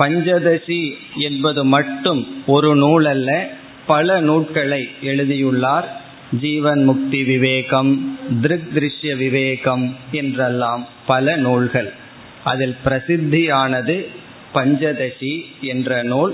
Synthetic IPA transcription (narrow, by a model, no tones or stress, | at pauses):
pɐɲd͡ʒɐðɐʂi | ɛnbɐðɯmɐʈːɯmɔɾɯnuːɭɐlːɐ | pɐlɐnuːʈ̚kɐɭɐɪɛɻɯðɪjɯɭːaːɾ | d͡ʒiːʋɐnmʊk̚t̪iʋɪʋeːɣɐmd̪ɪɾɯk̚d̪ɪɾɪʂjɐʋɪʋeːɣɐmɛndrɛlːaːm | pɐlɐnuːɭɣɐɭ | ʔɐ̰ðɪlpɪɾɐsɪd̪ʱːijaːnɐðɯ | pɐɲd͡ʒɐðɐʂiɛndrɐnoːɭ